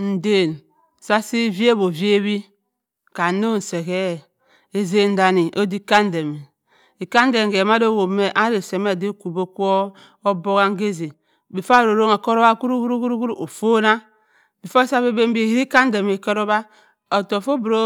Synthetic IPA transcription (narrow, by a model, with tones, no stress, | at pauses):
n̩˨de˨n˨ | sa˦si˦vi˦e˦bo˨ve˦βi˦ | ka˨no˦n̩˨se˨ke˦˨ | e˨ze˨n̩˦da˨ni˨ʔo˦di˦ka˦n˦de˨me˨ | i˨ka˦n˦de˨ɡe˨ma˦do˦˨wo˨˦me˦ʔa˦ɾe˨se˨me˦˨de˦ku˨bo˦ku˦o˦ | o˦bo˦ɣa˦ŋ˦ɡe˦ze˨ | bi˨fa˦˨ɾo˨ɾo˦ŋa˨ko˦ɾo˦ba˦ku˦ɾu˦ku˦ɾu˦ku˦ɾu˦ku˦ɾu˦ʔo˨fo˦na˦ | bi˨fo˦sa˦βe˦be˦m˦bi˦˨i˦ɾi˦ka˦n˦de˨me˨ko˦ɾo˦βa˦ | o˨to˨fo˦bɾo˦